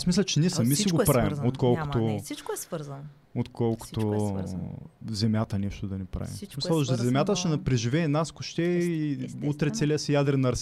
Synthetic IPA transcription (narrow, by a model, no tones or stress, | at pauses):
asmis̬lʲɛt͡ʃɛnʲiɛsɐmisiɡopɾavimot̪kɔlˠko̥t̪oit͡ʃkoɛsvɾzɐn | ot̪kɔlˠkʊ̥t̪o | zɛmʲjat̪əniʃt̪ʊd̪ɐnɛpɾa̰vḭmsmisɔʃzɛmʲat̪əʃɛnɐpɾɛʒivɛːnaskoʃt̪ɛ | ut̪ɾɛt̪sɛlʲiəsɛjad̪ɾɛnɐɾs